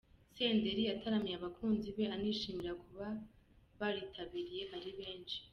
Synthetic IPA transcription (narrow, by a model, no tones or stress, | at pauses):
se̞ːnde̞ɾiatʰaɾamijaβakʰuːnziβe̞aniːʃiːmiɾakʰuβa | βaɾitʰaβiɾije̞haɾiβe̞ːnʃi̥